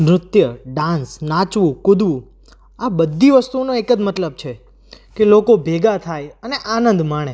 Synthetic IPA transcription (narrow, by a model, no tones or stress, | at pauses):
mɾʊt̪jəɖãnsnãt͡ʃʋũkʊd̪ʋũ | abəd̪ʱːiʋəst̪unõekəd͡ʒmət̪ləb̚t͡ʃʰe | kelokobʱeɡat̪ʰajəneʔanənd̪maɽ̃e